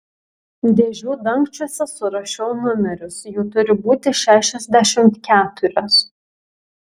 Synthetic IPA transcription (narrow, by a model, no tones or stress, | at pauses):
d̪ʲeːʒʲuːd̪ɐŋˑksʲt͡ʃʲuɔsʲɛsʊɾɐʃʲoʊnʊmʲɛɾʲʊsjuːt̪ʊɾʲɪbuːt̪ʲɪʃʲæːʃʲɛzʲd̪ʲæʃʲɪmt̪kʲæːt̪ʊɾʲos